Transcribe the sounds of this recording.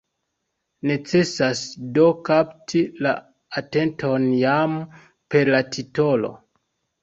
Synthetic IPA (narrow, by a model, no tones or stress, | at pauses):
ne̞t͡se̞sasdo̞kaptʰila̰ː | te̞ntʰo̞njam | pe̞ɾlatʰito̞lo̞̰